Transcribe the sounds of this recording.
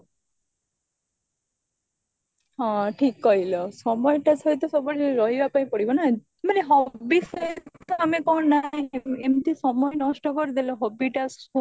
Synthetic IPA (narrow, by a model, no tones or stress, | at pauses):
ɦɔ̃ʈʰikːɔilɔsɔmɔjʈat͡ʃʰɔjt̪ɔsɔbɔɭeɾɔɦibapaĩpɔɽibɔna | maneɦɔbisɔjt̪ɔamekɔnnaɦĩemt̪isɔmɔenɔsʈɔkɔɾid̪elɔɦɔbiʈaso